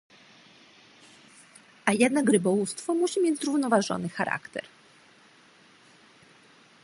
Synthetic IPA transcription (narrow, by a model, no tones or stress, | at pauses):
ʔajɛd̪nakɾɘbɔwust̪fɔmuɕimʲjed͡ʑzɾuvnɔvaʐɔ̰nɘxaɾa̰kt̪ɛ̰ɾ